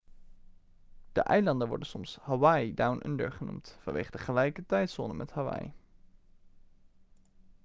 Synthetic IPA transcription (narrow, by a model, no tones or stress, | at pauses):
d̥ə̰ʔɛjlɑndənʋɔ̰ɹdənsɔmshawɑjdawnʔə̰ndə̰ɹχənṵmtfɑnʋḛjχədəχəlɛjkətɛjtso̰ːnəmʔɛthawɑ̰j